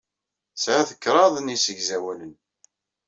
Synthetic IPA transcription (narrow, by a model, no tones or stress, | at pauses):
sʕæθəkːɾˤɑðˤnisəʝzæwælən